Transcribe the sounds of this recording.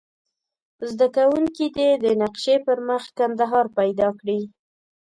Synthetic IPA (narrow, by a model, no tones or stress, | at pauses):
zd̪akawuŋkid̪ed̪ənaqʃepəɾməxkand̪aɦɑɾpajd̪ɑkɽi